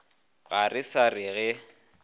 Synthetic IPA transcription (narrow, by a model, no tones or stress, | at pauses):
ɣarɪsarɪɣɛ